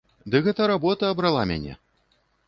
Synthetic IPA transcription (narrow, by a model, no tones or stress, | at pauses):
d̪ɨɣɛt̪ɐɾabɔt̪ɐːbɾalˠamʲa̰nʲɛ̰